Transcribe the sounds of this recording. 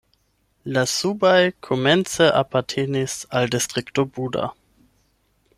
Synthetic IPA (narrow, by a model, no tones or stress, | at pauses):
lasubajkʰomɛnt͡səʔapaʁtʰeːnisaldistʁ̥iktobuda̰